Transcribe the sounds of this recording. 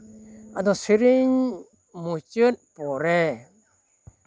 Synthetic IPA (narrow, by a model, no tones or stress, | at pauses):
ad̪ɔsiɾiɲ | mut͡ʃɯt̚pɔɾɛ